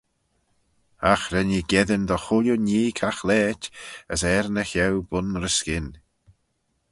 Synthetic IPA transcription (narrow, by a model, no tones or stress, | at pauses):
axɾɛniɡɛðənd̪ɔxʊljuniːkʰaxlɛːtʲəsɛɾnəçɛwbʊnɾəskɪn